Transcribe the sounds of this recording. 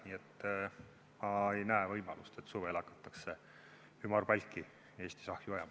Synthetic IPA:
niːet̪ː | mɑe̞jnæevɤjmɑlust̪e̞t̪ːsuvelɑkːˑɑt̪ːˑɑkse̞ | hymɑrpɑlʲkːˑi | e̞ːst̪i̥sɑhjuɑjɑm

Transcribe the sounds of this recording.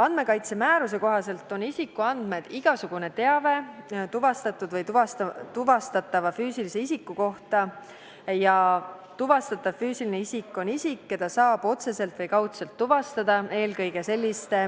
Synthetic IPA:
ɑnd̪̥me̞kɑjt̪se̞mæːɾus̬e̞koɦɑse̞lt̪ːˑo̞nisikːˑuɑnd̪̥me̞d̪̥iɡ̥ɑsuɡ̥une̞t̪e̞ɑve̞t̪uvɑst̪ɑt̪ːˑud̪̥vɤj̪ɑt̪uvɑst̪ɑt̪ːˑɑvɑfyːsilise̞isikːˑuko̞ht̪ɑ | jɑ | t̪uvɑst̪ɑt̪ːˑɑv̥fyːsilineisikːˑo̞nisikːe̞d̪̥ɑsɑːb̥o̞t̪se̞se̞lt̪vɤjkɑwt̪se̞lt̪ːuvɑst̪ɑd̪̥ɑe̞ːlkɤjɡe̞se̞lʲːist̪e̞

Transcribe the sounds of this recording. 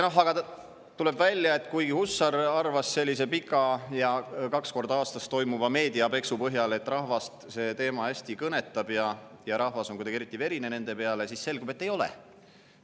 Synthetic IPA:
no̞ɦɑɡ̥ɑ | t̪ule̞bvælʲjɑe̞t̪ːˑkujɡihusːɑɾɑrvɑsːelʲːisepikːˑɑjɑkɑksko̞rd̪ɑɑːst̪ɑst̪o̞jmuvɑme̞ːd̪iɑpe̞ksupɤɦjɑle̞t̪ːˑrɑhvɑst̪se̞ːt̪e̞ːmɑæsʲt̪ikɤne̞t̪ːˑɑb̥jɑjɑɾɑɦvɑsoŋkujd̪ɑkeɾit̪ːˑive̞ɾine̞ne̞nd̪̥e̞pe̞ɑle̞sisse̞lɡube̞t̪ːe̞jo̞lɛ̰

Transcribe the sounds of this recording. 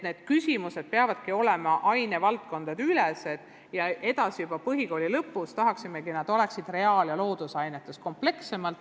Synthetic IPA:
neːd̪̥̚kysʲimuse̞d̪̥̚peɑvɑd̪̥kio̞lɛ̞mɑʔɑjne̞vɑlt̪̚ko̞nd̪̥ɑd̪ylɛse̞d̪̥ | jɑe̞d̪ɑsijub̥ɑpɤɦiko̞ːlilɤpːˑust̪ɑɦɑksimekenɑd̪̥o̞le̞ksid̪̥re̞ɑːljɑlo̞ːd̪̥usɑjnet̪ːˑesko̞mple̞kse̞mɑlt̪ːˑ

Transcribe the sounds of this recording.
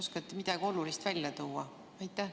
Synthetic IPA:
skɑt̪ːˑmid̪̥ɑɡ̥io̞lulist̪vælʲjɑt̪uːɑ | ɑjt̪ːˑæh

